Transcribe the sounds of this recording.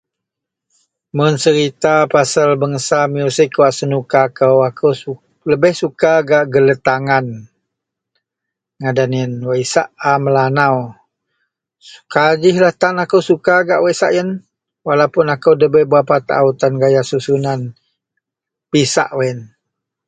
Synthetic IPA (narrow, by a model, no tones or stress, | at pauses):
mənsəɾit̪apasəlbəŋəsamiusikuwaʔsənukakəwakəw | ləbɪhsukaɡaʔɡələt̪aŋan | ŋadanənwəisaʔaməlanaw | kad͡ʒɪhlaht̪anakəwsukaɡaʔwaisa̰ʔjən | walawpʊnakəwdəbəbuapat̪ʔa̰ut̪anɡajasusunan | pisa̰ʔwɛn